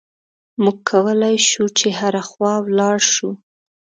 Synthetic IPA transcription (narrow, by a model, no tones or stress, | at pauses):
muɡ̚kʰːawəlajʃut͡ʃeɦaɾaxwɑwlɑɽʃu